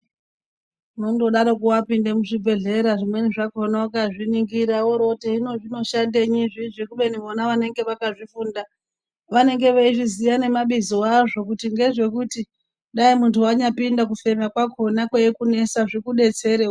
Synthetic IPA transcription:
nondo̞ɗaɾokuwapinde̞muʐibʱe̞ɮe̞ɾaʐimwe̞niʐakonawakaʐiniŋɡiɾaoɾoteinoʐino̞ʃandeɲiʐiʐekuɓe̞niʋonaʋane̞ŋɡe̞ʋakaʐifuːnda | ʋane̞ŋɡe̞ʋeiʐizijane̞maɓizoaʐo̞kutiŋɡe̞ʐe̞kuti | ɗaimuntʰuaɲapindak̬ufe̞makwako̞nakwejekune̞saʐikuɗe̞t͡se̞ɾeo

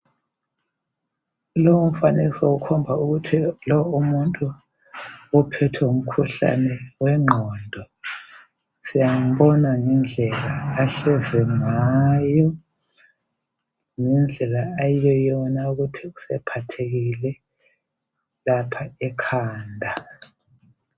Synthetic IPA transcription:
lɔwum̩fanisɔukʰɔmbʱauɣutʰilɔumuntʼu | ɔpʰɛtʰɛum̩kʰuɬa̰nɛwɛŋ͡ǃʱɔːndʱɔ | sijaŋ̩βɔnaŋɛnd͡ɮʱɛlaːɬɛzɛŋajɔ | ŋɛnd͡ɮʱɛlaːjijɔjɔnauɣutʰiusɛpʰatʰeɣilɛ | lapʰaɛkʰaːndʱa

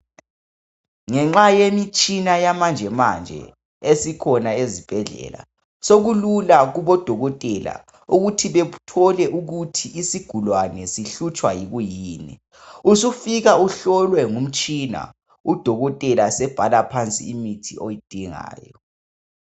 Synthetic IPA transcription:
ŋɛŋ͡ǁajemit͡ʃʼinajamand͡ʒʱɛmand͡ʒʱɛ̰ | esikʰɔnaezib̥ʱɛɮɛ̰la̰ | soɣululaɣuβɔd̥ʱɔɣɔtʼɛla̰ | uɣutʰiβɛutʰɔlɛʔuɣutʰiʔisiɡ̥ʱulwanɛsiɬut͡ʃʼwajiɣujiːnɛ̰ | usufiɣauɬɔlwɛŋum̩t͡ʃʼina̰ | ud̥ʱɔɣɔtʼɛlasɛb̥ʱalapʰant͡sʼḭːmitʰiʔojid̥ʱiŋa̰ːjɔ

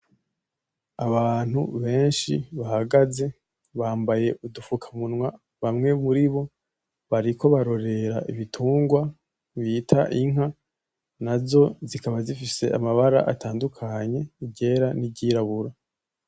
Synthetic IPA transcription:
aβaːn̥hṵβe̞ːnʃiβahaɡaze̞ | βaːmbaje̞udufukʰamunŋwa | βamŋe̞muɾiβo̞ | βaɾiko̞βaɾo̞ɾe̞ɾaʔiβitʰuːŋɡwa | βiːtʰa̰ʔiŋha | nazo̞zikaβazifise̞amaβaɾa̰ʔataːndukʰaɲe̞iɟe̞ːɾaniɟiːɾaβuɾa

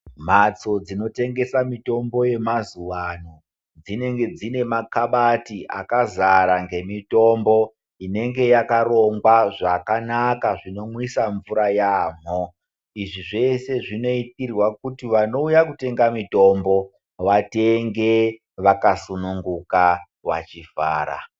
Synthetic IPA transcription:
m̤at͡so̞d͡zino̞te̞ŋɡe̞samito̞mbo̞je̞mazuwano | d͡zine̞ŋɡe̞d͡zine̞makaɓatiʔa̰kazaɾaŋɡe̞mito̞mbo | ine̞ŋɡe̞jakaɾo̞ŋɡwaʐakanakaʐino̞mwisaɱvuɾajaːm̤o | iʐiʐe̞se̞ʐino̞itirwakutiʋano̞ujakute̞ŋɡamito̞mbo̞ | ʋate̞ŋɡe̞ | ʋakasunuŋɡuka | wa̰t͡ʃifa̰ːɾa̰

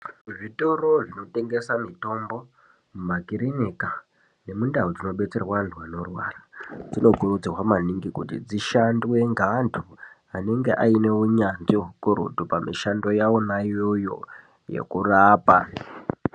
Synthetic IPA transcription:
ʐito̞ɾoʐino̞te̞ŋɡe̞samito̞mbo̞ | mumakiɾeneka | ne̞mundaud͡zino̞ɓe̞t͡se̞rwanɮwano̞rwa̰ːrad͡zino̞ɡʱurud͡zirwamaniŋɡikutḭd͡ziʃandiwe̞ŋɡandʰu | ane̞ŋɡe̞ʔaine̞uɲand͡ʒikuɾṵtupamḭʃando̞jawo̞najojo̞̰ | jḛkuraːpa

